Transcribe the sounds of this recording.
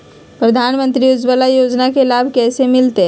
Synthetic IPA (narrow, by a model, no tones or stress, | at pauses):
pɾɐd̪ʱaːnmə̃nt̪ɾiʊd͡ʒbəlajoːd͡ʒnakelaːbʱkɛːsemɪlt̪e